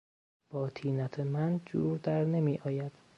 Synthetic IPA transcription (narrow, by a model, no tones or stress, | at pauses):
b̥ɒːt̪ʰiːnæt̪ʰemænd͡ʒṵːɾd̪æɾne̞miːʔɒːjæd̪̥